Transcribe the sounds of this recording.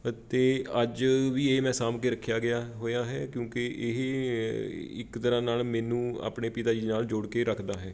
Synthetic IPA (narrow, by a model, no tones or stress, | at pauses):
t̪eːəd͡ʒʋiːeːmɛ̃ːsaːmkeːɾəkʰːjaːɡɪjaːɦoːjaːɦɛːkjõːkɪʔɪɦ | ɪ̰kt̪əɾãːnaːlmɛ̃ːnũːa̰ːpɳeːpɪt̪aːd͡ʒinaːld͡ʒoːɽkeːɾəkʰd̪aːɦɛː